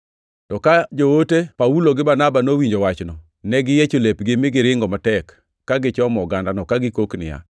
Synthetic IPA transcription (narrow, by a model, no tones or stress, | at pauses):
tɔkad͡ʒowotepauloɡɪbarnabanowiɲd͡ʒowat͡ʃnɔ | nɛɡɪjet͡ʃolepɡɪmɪɡɪɾɪŋɡɔmatɛkː | aɡɪt͡ʃɔmɔɡandanɔkaɡɪkoknɪ̰ja̰